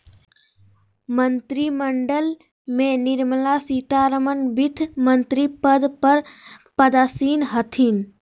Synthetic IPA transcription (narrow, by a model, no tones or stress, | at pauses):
mənt̪ɾiməɳɖəl | meniɾməlasit̪aɾəmənbit̪ʰmənt̪ɾipəd̪pəɾpəd̪aːsinɦət̪ʰin